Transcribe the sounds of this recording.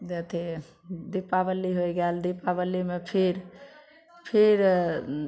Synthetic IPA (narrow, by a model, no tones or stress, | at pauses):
d͡ʒet̪ʰe | d̪ipabəlːiɦojɡɛld̪ipabəlːimepʰiɾ | pʰiɾ